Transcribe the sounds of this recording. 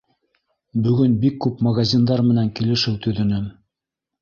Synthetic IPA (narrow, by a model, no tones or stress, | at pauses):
bɵ̆ɡɵnbikːʉpmɐɡazʲind̪ɑɾmɘ̆næŋkilɘ̆ʃɘwt̪ɵ̆ðɵ̆nɘm